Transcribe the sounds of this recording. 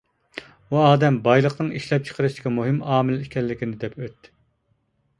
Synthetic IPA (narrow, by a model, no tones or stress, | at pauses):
uɑːd̪ɛmbɑjlˠəqnɨŋiʃlɛp̚t͡ʃʰə̥qʰəɾɨʃd̪ɪ̥kʲʰɑmuɦɨmɑːmɪlikʲʰɛlːɪkʲinɪd̪ɛpʰøt̪ːɪ̥